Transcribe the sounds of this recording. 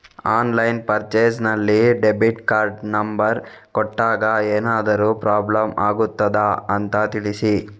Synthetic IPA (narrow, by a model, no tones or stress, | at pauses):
aːnlɐjnpɐɾt͡ʃeːsnɐlːiɖebiʈkaːɾɖnɐmbɐɾ | kɔʈːaːɡɐeːnaːd̪ɐɾuːpɾaːblɐmaːɡut̪ːɐd̪ɐɐnt̪ɐt̪iɭisi